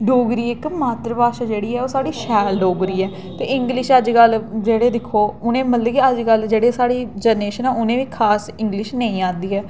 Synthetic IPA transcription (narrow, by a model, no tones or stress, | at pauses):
ɖoːɡɾiːɪkmaːt̪ɾbaːʃaːd͡ʒeːɽiːɛːoːsaːɽiːʃɛːlɖoːɡɾiːɛː | t̪ḛːɪ̃ŋɡlɪʃəd͡ʒɡəlːd͡ʒeːɽeːd̪ɪkʰːoːʊnẽːməlːkiəd͡ʒkəld͡ʒeːɽeːsaːɽiːd͡ʒɛːneːʃənɛːʊnẽːʋiːkʰaːsɪ̃ŋɡlɪʃnə̃ːĩːãːnd̪iːɦɛː